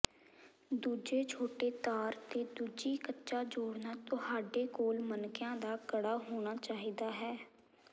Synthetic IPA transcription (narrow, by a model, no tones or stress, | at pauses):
d̪uːd͡ʒeːt͡ʃʰoːʈeːt̪aːɾt̪eːd̪uːd͡ʒiːkətːʃaːd͡ʒoːɽnaːt̪ʊhaːɖeːkoːlmənkjãːd̪aːkəɽaːɦoːɽ̃aːt͡ʃaːɦiːd̪aːɦɛː